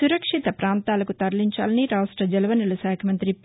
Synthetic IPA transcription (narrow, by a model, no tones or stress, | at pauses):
uɾɐkʂit̪ɐpɾaːnt̪aːlɐkut̪ɐɾɐliɲt͡ʃa̰ːlɐniɾaːʂʈɾɐd͡ʒɛlɐʋɐnilɐsaːkʰɐmɐnt̪ɾi